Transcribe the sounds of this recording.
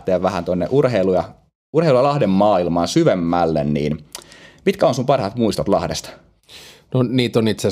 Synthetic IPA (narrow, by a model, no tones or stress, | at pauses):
t̪eːʋʋæhænt̪onːḛʔurɦeilujɑ | urheilujɑlɑhdemːɑːilmɑːnsyʋemːælːḛnnḭːnmit̪kæonsumpɑrhɑt̪muist̪ot̪lɑ̰hdest̪ɑ | noniːt̪onit̪se